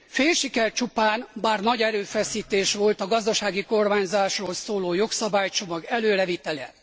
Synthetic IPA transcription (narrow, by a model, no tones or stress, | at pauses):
feːlʃikɛrt͡ʃupaːnbaːrnɒɟɛɾøːfɛsiːt̪eːʃʋo̞lt̪ɒɡɒzd̪ɒʃaːɡiko̞rmaːɲzaːʃroːlsoːloːjo̞ksɒbaːjt͡ʃo̞mɒɡɛløːɾɛvit̪ɛlɛ̰